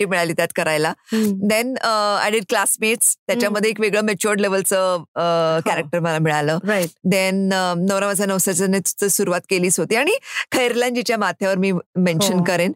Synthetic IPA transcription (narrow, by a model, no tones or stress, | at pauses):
iːmiɭaliːt̪jat̪kəɾajlad̪ena̰ɽiʈ̚klasmeʈst̪jat͡ɕjaməd̪ʱːjeːkʋeɡɭəːmet͡ɕoɾɖleʋəlt͡sə | kæɾək̚ʈəɾməlamiɭaləːɾjd̪enːəʋɾaʋət͡sanəʋsat͡ɕanet̪u̥t͡səsuɾuʋat̪keliːt͡sɦot̪iːaɽ̃ikʰəjɾlãnd͡ʑit͡ɕjamat̪ʰjaʋəɾmiːmẽnɕənkəɾen